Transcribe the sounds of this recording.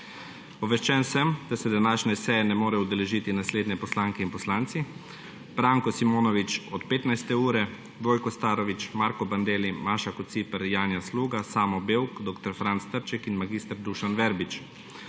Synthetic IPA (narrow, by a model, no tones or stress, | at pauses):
pɔʋɛʃt͡ʃɛnsəmd̪̥asɛd̪anaːʃnɛsɛjɛnɛmoːɾɛud̪ɛlɛʒiːt̪inasleːd̪nɛpɔslaːŋkɛinpɔslaːnt̪si | b̥ɾaːŋkɔsimoːnɔʋit͡ʃɔt̪peːt̪najst̪ɛuːɾɛ | ʋoːjkɔst̪aːɾɔʋit͡ʃmaːɾkɔband̪eːlimaːʃakɔt̪t̪sipɛɾjaːnjasluːɡasaːmɔbeːwkd̪oːkt̪ɔɾfɾantst̪əɾt͡ʃɛkinmaɡiːst̪əɾd̪uʃanʋɛɾbit͡ʃ